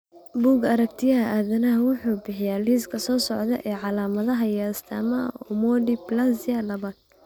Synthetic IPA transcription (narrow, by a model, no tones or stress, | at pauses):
buːɡɐɾɐk̚t̪ʰɪjɐɦɐʔaːðɐnɐɦɐwʊħuːbɪħɪjaːliːskʰɐsɔːsɔʕd̪ɐɛ̰ʔɛːʕɑlaːmɐðɐɦɐjast̪ʰɐːmɐɔmɔdiblasɪjɐlɐβaːd̪̥̚